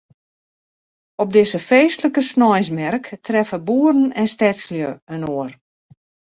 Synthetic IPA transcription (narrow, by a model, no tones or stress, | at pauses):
ɔp̚dɪsəfeːstləkəsnɔjsmɛrktrɛfəbuːəɾn̩ɛnstɛsljøənoːər